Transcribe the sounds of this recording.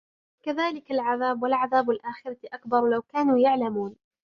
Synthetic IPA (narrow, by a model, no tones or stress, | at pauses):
kaðaːlɪkalʕaðaːbwalʕaðaːbalʔaːxɪɾɑʔakbɑɾˤlawkaːnuːjaʕlamuːn